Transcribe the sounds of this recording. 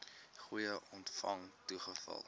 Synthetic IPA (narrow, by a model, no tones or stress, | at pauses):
χujəʔɔntfɐŋtuχəfɐ̰lˠ